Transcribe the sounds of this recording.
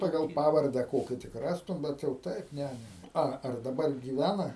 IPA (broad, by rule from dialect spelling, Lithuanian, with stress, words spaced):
ˈpɑːɡɐlˠ ˈpɑːʋɐrʲdʲɛ ˈkoːkʲɪ tʲɪk ˈrɑːstʊm ˈbʲɛt jɛʊ ˈtɐɪp ˈnʲɛ nʲɛ nʲɛ ˈɐ ɐr dɐˈbɐr ɡʲiːˈʋʲænɐ